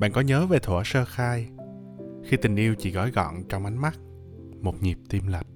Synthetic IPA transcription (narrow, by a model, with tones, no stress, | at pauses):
ɓa̰ː˧˨nkɔ˨˦ɲəː˨˦ve˨˩t̪ʰwːsəː˧xaː˧j | xi˧t̪ï˨˩ŋ̟ʔi˧wt͡ɕḭ˧˩ɣɔ̰˧˩jɣɔ̰˧˨nt͡ɕɔ˧wŋ͡mʔa˨˦jŋma˦˥t̚ | mo˨˩t̚ɲi˨˩p̚t̪i˧mla˨˩jk̚